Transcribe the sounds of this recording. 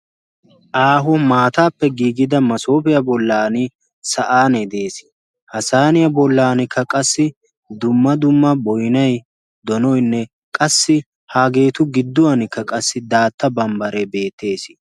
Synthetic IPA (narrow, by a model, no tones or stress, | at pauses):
ʔaːɦɔmaːt̪aːpːɛɡiːɡɪd̪ɐmɐso̞ːpɪjɐbɔlːaːnɪ | sɐʔaːnɛd̪e̞ːs | hɐsaːnɪjɐbɔlːaːnɪkːɐkʼɐsːɪ | d̪ʊmːɐd̪ʊmːɐbɔjnɐj | d̪ɔnɔjnːɛ | kʼɐsːɪ | haːɡe̞ːt̪ʊɡɪd̪ːʊwɐnɪkːɐkʼɐsːɪd̪aːt̪ːɐbɐmbɐɾɛbe̞ːt̪ːe̞ːsɪ̥